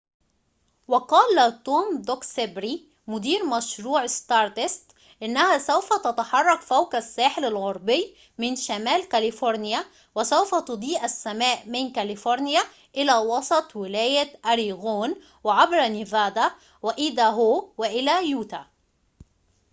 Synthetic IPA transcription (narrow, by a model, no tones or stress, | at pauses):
wɪqɑːlt̪oːmd̪oksebɾi | mʊd̪iːɾmæʃɾuːʕst̪ɑːɾˤt̪ɪst̪ | ʔɪnːæhæsæwfæt̪æt̪aħɑrˤːɑkfæwkæsːæːħɪlalɣɑɾˤbɪjː | mɪnʃæmæːlkælɪfoɾnɪjæ | wɪsæwfæt̪ʊd̪ˤiːʔæsːæmæːʔmɪnkælɪfoɾˤnjæ | ʔɪlæːwɑsˤɑt̪ˤwɪlæːjæʔæɾiɣoːn | wɪʕabɾnivæːd̪a | wɪʔiːd̪æɦoːwɪʔɪlæjuːt̪a